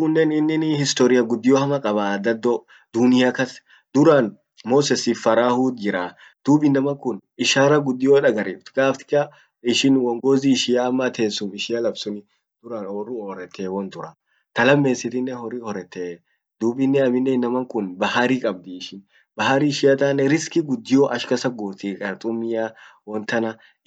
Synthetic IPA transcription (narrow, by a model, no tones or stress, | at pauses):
ʊnːɛnɪnːɪnɪhɪst̪ɔɾɪjɐɡʊd̪ːɪjohɐmɐkʼɐbad̪ɐd̪ːɔ | d̪̥ʊnɪjakɐs | d̪ʊɾaːn | moːsɛsːɪfːɐɾaːhud̪̚d͡ʒɪɾaː | d̪̥uːbɪnːɐmɐŋkʊnɪʃaːɾɐɡʊd̪ːɪjoᶑɐɡɐɾeːft̪ʊ̥ɡaːft̪ɪ̥kʼːɐ | ɪʃɪnwɔŋɡoːzɪːʃɪjaːmːɐt̪ʰe̞ːsːʊmɪʃɪjɐlɐbsʊnɪ | d̪̥ʊɾaːnwɔrːʊoːɾɛt̪ːeːwɔnt̪ʊɾɐ | t̪ɐlɐmːe̞ːsɪt̪ɪnːɛhɔɾɪhɔɾɛt̪ːeː | d̪uːbɪnːɛɐmɪnːɛnɐmɐŋkʊnbɐhaɾiːkʼɐb̚d̪ɪːʃɪn | bɐɦɐɾiːʃɪjɐt̪aːnːɛɾɪskɪɡʊd̪ːɪjoːʔɐʃkɐsɐɡoːt̪iːkʼɐɾt̪ʼʊmːɪjaːwɔnt̪ɐnɐ